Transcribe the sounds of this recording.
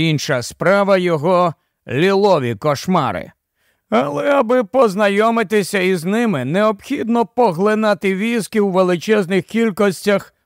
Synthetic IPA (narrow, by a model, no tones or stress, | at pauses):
inʃɐspɾɑʋɐjɔɦɔ | lʲilˠɔʋʲikɔʃmɑ̰ɾɪ̰ | ɐlˠɛɐbɪpɔznɐjɔmɪt̪ɪsʲɐiznɪmɪneɔpxʲid̪nɔpɔɦlˠɪnɑt̪ɪʋʲiskʲiwʋelˠɪt͡ʃɛznɪxkʲilʲkɔsʲtʲɐx